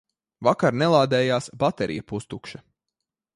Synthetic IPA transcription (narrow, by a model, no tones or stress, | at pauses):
vakaɾnɛlˠaːd̪ɛːjaːsbat̪ɛɾʔḭjɐpust̪ukʃɐ